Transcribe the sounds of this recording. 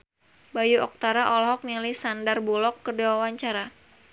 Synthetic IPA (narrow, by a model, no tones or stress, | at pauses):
bajuʔɔk̚t̪aɾaʔɔlɔɦɔk̚nilihsandarbulɔkːərdawawaɲt͡ʃaɾa